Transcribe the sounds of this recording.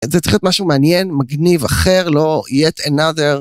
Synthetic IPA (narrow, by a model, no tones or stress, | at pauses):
zɛt͡s̪iχjot̪maʃumeanjenmaɡnivaχeʁlo̞ijet̪enadeʁ